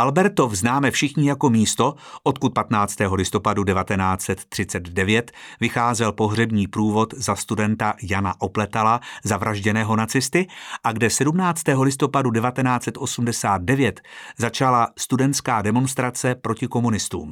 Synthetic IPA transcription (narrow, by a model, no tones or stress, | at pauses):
ʔalbɛɾt̪o̞fznaːmɛfʃɪxɲɪjako̞miːst̪o̞ʔot̪kut̪̚pat̪naːt͡st̪ɛːɦo̞lɪst̪o̞padudɛvat̪ɛnaːt͡sɛt̪ːr̝̥ɪt͡sɛd̪dɛvjɛt̪vɪxaːzɛlpo̞ɦr̝ɛbɲiːpɾuːvo̞t̪zast̪udɛnt̪ajanaʔo̞plɛt̪alazavɾʔaʒɟɛnɛːɦo̞nat͡sɪst̪ɪʔaɡdɛsɛdumnaːt͡st̪ɛːɦo̞lɪst̪o̞padudɛvat̪ɛnaːt͡sɛt̪ʔo̞sumdɛsaːd̪̚dɛvjɛt̪zat͡ʃalast̪udɛnt̪skaːdɛmo̞nst̪ɾat͡sɛpɾo̞cɪko̞munɪst̪ṵːm